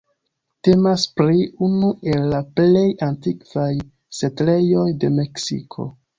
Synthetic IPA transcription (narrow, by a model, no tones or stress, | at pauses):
te̞maspɾiunue̞lːaple̞jantikv̥aj | setle̞jo̞jde̞me̞ksḭkʰo̞̰